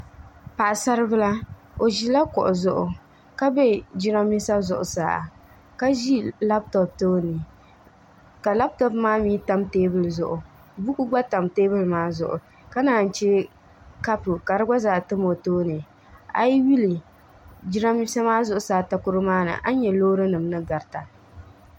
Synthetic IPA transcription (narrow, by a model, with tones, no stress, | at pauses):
pa˨ʔa˨sa˦ɾɨ˦bɨ˦la˦ | o˨ʒi˦la˦kʊ˨ʔʊ˨zʊ˨ʔʊ˨ | ka˦bɛ˦˨d͡ʒi˦ɾa˦mːi˦sa˦zʊ˨ʔʊ̰˨sa̰ː˦˨ | ka˦ʒi˦la˦b̚tɔ˨p̚toː˦nɨ˨ | ka˨la˦b̚tɔ˦pmaː˦miː˦ta˦mteː˦bɨ˦lzʊ˨ʔʊ˨ | bu˦ku˦ɡ͡ba˦ta˨mteː˦bɨ˦lmaː˦zʊ̰˨ʔʊ̰˨ | ka˦naː˨n̩˨t͡ʃɛ˦ | ka˦pɨ˨ka˨ɾɨ˦ɡ͡ba˦zaː˨tɨ˦mo˨toː˦nɨ˨ | a̰˨ji˦wi˦li˨ | d͡ʒi˦ɾa˦mi˦sa˦maː˦zʊ˦ʔʊ˨saː˨ta˦kʊ˦ɾɨ˦maː˦nɨ̰˨ʔa˦ɲɛ˨loː˦ɾɨ˦nɨ˨mnɨ˦ɡa˨ɾta˨